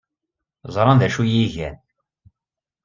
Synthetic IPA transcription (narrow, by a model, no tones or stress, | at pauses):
zˤɾˤɑnðæʃujiʝæn